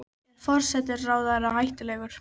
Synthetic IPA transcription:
fɔr̥sɛt̪ɪɾːaːwðaɾaɦajht̪ʏlɛːɣʏɾ̥

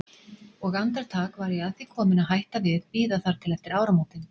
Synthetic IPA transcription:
ɔɣant̪aɾ̥t̪ʰaːkvaːɾjɛaðθikʰɔːmɪnaðɦajht̪avɪðpiːðaθaɾ̥t̪ʰɪlɛft̪ɪɾaːwɾamawt̪ɪn

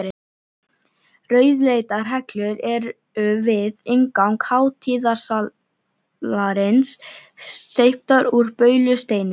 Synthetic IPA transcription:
ɾɪ | rœːɥðlejt̪aɾ̥ɦɛklʏɾɛɾ | ʏvɪðɪŋkawŋkhaːwt̪ʰiːðḁsa | laɾɪnsː | ejhp̚t̪aɾuɾpœːɥlʏst̪eːjnɪ

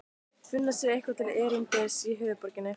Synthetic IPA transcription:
fʏnːasjɛɾehkvat̪ʰɪlɛːɾɪnt̪ɛsiːɦœːvɪpɔɾcɪnːɪ

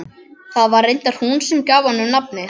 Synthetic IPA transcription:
θaðvaɾejnt̪aɾ̥hunsɛmcaːwvanːʏnap̚nɪ

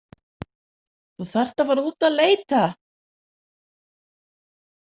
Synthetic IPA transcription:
θuθɛr̥t̪avaːɾɪuːt̪aðleːjt̪a

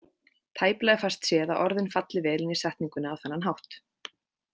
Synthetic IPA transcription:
t̪ʰaːjplaɣɪfarst̪sjɛːðaðʔɔɾðɪnfat̪lɪvɛːlɪnisɛht̪niŋkʏnawθɛnːanɦawht̪

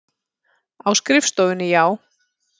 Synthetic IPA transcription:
awskɾɪfst̪owðʏnːɪjaːw

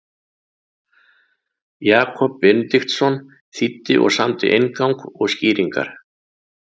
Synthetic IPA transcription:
jaːkʰɔpvɪnlixt̪sɔn | θit̪ːɪʔɔ̰ɣsamt̪ɪ̰ʔejnkawŋkɔɣsciːɾiŋka̰ɾ̥

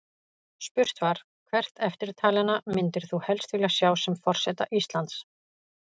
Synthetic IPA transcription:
spʏr̥t̪vaɾ̥ | kʰvɛr̥t̪ɛft̪ɪɾt̪ʰaːlɛnːamɪnt̪ɪɾ̥θuhɛlst̪vɪlasjaːwsɛmfɔr̥sɛt̪a̰ʔist̪lant̪s

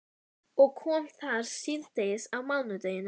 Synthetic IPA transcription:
ɔɣkʰɔːmθaɾ̥sɪðt̪ejsawmawnʏt̪eːjɪn

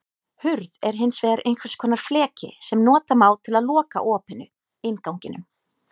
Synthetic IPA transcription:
hʏɾðɛɾ̥ɦɪnsvɛːaɾʔejnkvasɪ̥kʰɔːnaɾ̥flɛːcɪ̰sɛmnɔːt̪amaːwt̪ʰɪlaðlɔːka̰ʔɔːphɪnːʏ | ejnkawɲcɪnʏm

